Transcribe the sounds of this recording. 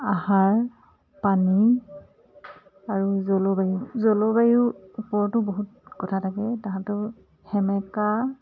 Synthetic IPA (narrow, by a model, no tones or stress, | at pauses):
ahaɹ | pani | aɹuzolobajuzolobajuupɔɹtʊboɦut̚kɔtʰatʰaɡɛtaɦãtʊ | hɛmɛka